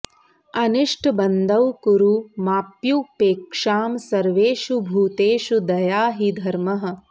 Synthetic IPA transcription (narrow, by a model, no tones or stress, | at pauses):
ɐniʂʈbɐnd̪ɐʋkuɾumaːpjupeːkʂaːmsɐɾʋeːʃubʱuːt̪eːʃud̪ɐjaːɦid̪ʱɐɾmɐɦɐ̆